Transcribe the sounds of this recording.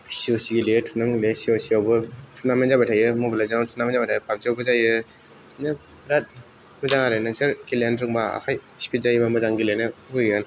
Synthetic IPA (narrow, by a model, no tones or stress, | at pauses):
siɔsiɡilejtʰunamlesiosiawbɯtʰunamanzabatʰajɯmɔblazaatʰunamazabatʰajɯpʰamsiawbɯzajɯ | nɯ | bɾat̚ | mɯzaŋaɾenaseɾkilendɾɯŋbaa̰kʰajsi̥pʰit̚zajbamɯzaŋɡilenɯujɯn